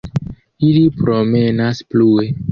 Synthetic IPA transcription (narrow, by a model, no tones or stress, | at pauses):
ilipɾo̞me̞nasplue